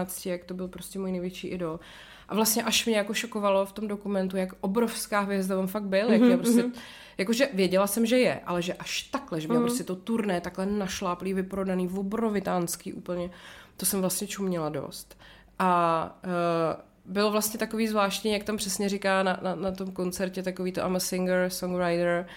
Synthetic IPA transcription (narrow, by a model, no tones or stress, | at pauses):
at͡scɪjakt̪obɪlpɾo̞scɛmojnɛjvjɛt͡ʃiːʔɪdol | ʔavlast̪ɲɛʔaʃmɲɛjako̞ʃoko̞valo̞ft̪o̞mdo̞kumɛnt̪ujakʔobɾo̞fskaːɦvjɛzd̪avamfak̪̚bɪljakjapɾosɛ | jako̞ʒɛvjɛɟɛlasɛmʒɛjɛ̰ʔa̰lɛʒɛʔaʃt̪aklɛʒɛbɪlopɾos̬cɛt̪o̞t̪uɾnɛːt̪aklɛnaʃlaːpliːvɪpɾo̞daniːvobɾovɪt̪aːnskiːʔṵːpl̩ɲɛt̪o̞sɛmvlast̪ɲɛt͡ʃumɲɛlado̞̰st̪ | ʔa | bɪlovlast̪ɲɛt̪akoviːzvlaːʃt̪ɲiːjakt̪ampr̥ɛsɲɛɾɪkaːnananat̪o̞mko̞nt͡sɛɾcɛt̪akoviːt̪oʔamasɪŋɡɾsoŋɾajdɛɾ